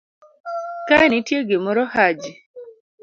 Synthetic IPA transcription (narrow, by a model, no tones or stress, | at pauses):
kanitjeɡemɔɾɔhad͡ʒi